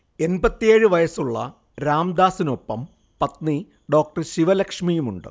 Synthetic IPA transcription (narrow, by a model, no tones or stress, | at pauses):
e̞nbɐt̪ːijeːɻɨʋɐjɐsuɭːɐ̰ | ɾaːmd̪aːsino̞pːɐm | pɐt̪ni | ɖo̞ːk̚ʈɐrɕiʋɐlɐkʂmijumuɳɖɨ̰